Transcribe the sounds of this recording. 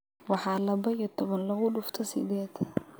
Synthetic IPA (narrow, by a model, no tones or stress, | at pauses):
wɑħɑːlɐbɐjit̪ʰɔβɐnlɐɣʊɖʊft̪ʰɐsɪ̰d̪ɛːd̪ʰ